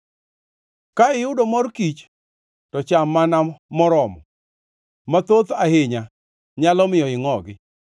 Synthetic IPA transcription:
kaɪjʊdomɔrkit͡ʃ | tɔt͡ʃamːanamɔɾɔmɔ | mat̪ot̪ahɪɲa | ɲalɔmɪjɔɪŋɔɡɪ

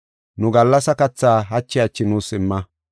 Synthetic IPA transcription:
nʊɡɐlːɐsɐkɐt͡sːaːɦɐt͡ʃːɪɐt͡ʃːɪnuːsɪmːɐ

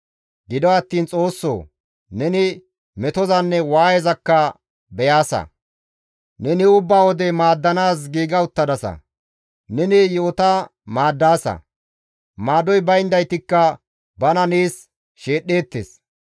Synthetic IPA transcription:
ɡɪd̪ɔɐt̪ːiːnt͡sʼo̞ːsːo̰ː | nɛnɪ | mɛt̪ɔzɐnːɛwaːjɛzɐkːɐ | bɛjaːsɐ̰ | nɛnɪʊbːaːwɔd̪ɛmaːd̪ːɐnaːs̬ɡiːɡɐʊt̪ːɐd̪ɐsɐ̰ | nɛnɪjoːt̪ɐmaːd̪ːaːsɐ̰ | maːd̪ɔjbɐjnd̪ɐjt̪ɪkːɐ | bɐnɐniːs | ʃe̞ːɗːe̞ːt̪ːḛs

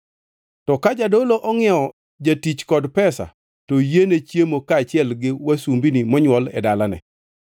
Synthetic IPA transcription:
tɔkad͡ʒadoloʔɔŋɪɛɔ | d͡ʒatit͡ʃkɔdpɛsa̰ | tojenet͡ʃjemokaːt͡ʃɪɛlɡɪwasumbinimɔɲwɔlɛ̰dalanɛ̰

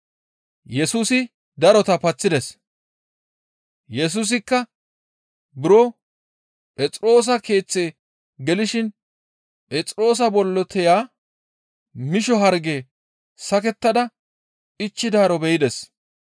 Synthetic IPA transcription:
jɛsuːsɪ | d̪ɐɾɔt̪ɐpɐt͡sːɪd̪ɛs | jɛs̬uːs̬ɪkːɐ | bɪɾɔ | pʼɛt͡sʼɾo̞ːs̬ɐke̞ːt͡sːe̞ː | ɡɛlɪʃɪn | pʼɛt͡sʼɾo̞ːs̬ɐbɔlːɔt̪ʰɛjaː | mɪʃɔɦɐɾɡeː | sɐkɛt̪ːɐd̪ɐ | ɪt͡ʃːɪd̪aːɾɔbɛjɪd̪ɛs

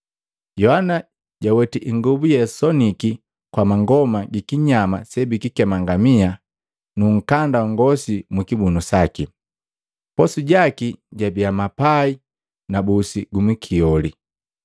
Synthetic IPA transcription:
jɔhana | ɟawɛtiʔiŋɡɔbujɛsɔniki | kwamaŋɡɔmaɡikiɲama̰sɛbikikɛmaŋɡamia | nuŋ̩kandaɔŋɡɔsimukibunusaki | pɔsuɟakiɟabiamapai | nabusiɡumikʰiɔli

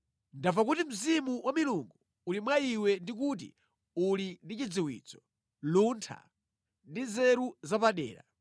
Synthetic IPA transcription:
ndavak̬utim̩zimuwamiluŋɡu | ulimwaiwɛndik̬ut̬ḭ | ulindit͡ʃid͡ziwḭːt͡sɔ̥ | luntʰa̰ | ndizɛɾuzapaɗɛ̰ːɾa̰

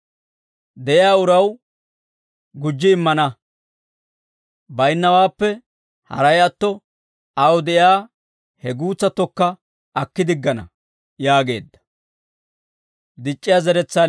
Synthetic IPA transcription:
d̪ɛʔɪjaːʊɾɐw | ɡʊd͡ʒːɪːmːɐnɐ | bɐjnːɐwaːpːɛ | hɐ̰ɾɐjɐt̪ːɔ | ɐwd̪ɛʔjaː | hɛɡuːt͡sːɐt̪ːɔkːɐ | ɐkːɪd̪ɪɡːɐnɐ̰ | jaːɡe̞ːd̪ːɐ̥ | d̪ɪt͡ʃʼːɪjaːzɛɾɛt͡sːaː

